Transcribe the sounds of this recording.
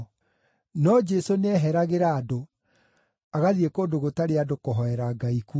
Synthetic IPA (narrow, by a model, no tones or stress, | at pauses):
nɔd͡ʒɛsoneɛɦɛɾaɣeɾaːdo | aɣaðiekoːdoɣotaɾeadokoɦɔɛɾaɡaiku